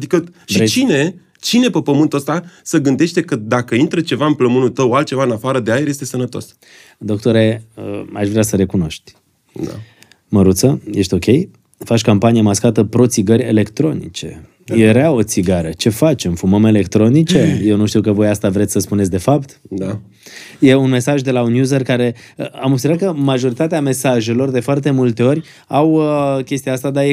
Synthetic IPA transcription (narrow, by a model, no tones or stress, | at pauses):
ad̪ikəʃit͡ʃine̞ | t͡ʃine̞pepəmɨnt̪uəst̪asəɡɨnd̪e̞ʃt̪ekəd̪akəint̪ɾət͡ʃe̞vaɨnpləmunut̪əwalt̪̚t͡ʃe̞vaɨnafaɾəd̪eaeɾje̞s̬t̪e̞sənət̪o̞s | d̪o̞k̚t̪oɾe̞əaʃvɾʲeasəɾe̞kuno̞ʃt̪ʲ | d̪a̰ | məɾut̪səje̞ʃt̪ʲo̞kʲe̞j | fat͡ʃʲkampanijamaskat̪əpɾo̞t̪siɡərʲe̞̰le̞kt̪ɾo̞nḭt͡ʃe̞̰ | eɾeao̞t̪siɡaɾət͡ʃe̞fat͡ʃe̞mfuməme̞le̞kt̪ɾo̞nit͡ʃe̞je̞wnuʃt̪iwkəvo̞jast̪avɾet̪sʲsəspunetsʲd̪e̞fapt̪a | je̞unme̞saʒd̪e̞launjuzərkaɾe̞əamobsʲeɾat̪̚kəmaʒo̞ɾit̪at̪eame̞saʒe̞lo̞rd̪e̞foart̪e̞mult̪e̞o̞rʲ | awəkʲe̞st̪ijaast̪ad̪aje